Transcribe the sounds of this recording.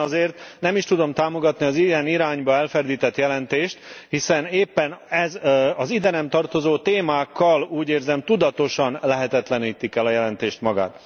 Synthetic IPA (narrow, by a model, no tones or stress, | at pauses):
ɒzeːrt̪nɛmiʃt̪ud̪o̞mt̪aːmo̞ɡɒt̪niɒziɛniɾaːɲbɒɛlfɛrd̪iːt̪ɛt̪jɛlɛnt̪eːʃt̪hisɛneːpːɛnɛzɒzid̪ɛnɛmt̪ɒrt̪o̞zoːt̪eːmaːkːɒluːɟeːrzɛmt̪ud̪ɒt̪o̞ʃɒnlɛɦɛt̪ɛt̪lɛniːt̪ikɛlɒjɛlɛnt̪eːʃt̪mɒɡa̰ːt̪